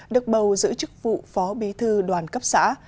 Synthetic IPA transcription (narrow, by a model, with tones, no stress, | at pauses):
ɗɨ˨˩ək̚ɓə˨˩wzɨ̰˧˥t͡ɕɨ˦˥k̚vṵ˧˨fɔ˨˦ɓi˨˦t̪ʰɨ˧ɗwaː˨˩nkə˦˥p̚sa̰ː˧˥